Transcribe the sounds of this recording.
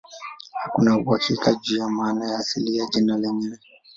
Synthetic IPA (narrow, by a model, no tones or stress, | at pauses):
hakunauhakʰikad͡ʒuːjamaːnajaːsiliad͡ʒinalɛɲinɛ